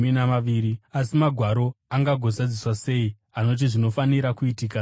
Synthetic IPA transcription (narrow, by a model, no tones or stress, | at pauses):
inamaʋiːɾiasimaɡʱwaɾo̞aŋɡaɡʱo̞zad͡ziswase̞ːi | ano̞t̬iʐino̞faniɾakuitiːka